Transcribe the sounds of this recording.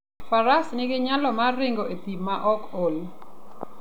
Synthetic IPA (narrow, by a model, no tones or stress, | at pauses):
faɾasnɪɡɪɲalɔmarɪŋɡoʔepimaʔɔkol